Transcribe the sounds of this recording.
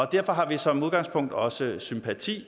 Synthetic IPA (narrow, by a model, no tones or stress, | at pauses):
ɒ̽d̥æɐ̰fɒ̽ɦɑ̈ʋisɒ̽muðˠɡ̥ɑ̈ŋspʰɔ̽ŋ̰d̥ɒ̽səsympʰæt͡sʰḭː